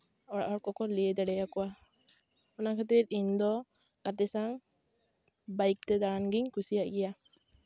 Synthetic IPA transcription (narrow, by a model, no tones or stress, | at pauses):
ɔɽa̰ʔɔɽkɔkɔliɛd̪aɽɛjakɔwa | unakʰat̪̬iɾind̪ɔ | kat̪ɛsaŋ | bajk̚t̪ɛd̪aɹanɡiɲkʰusijaʔɡija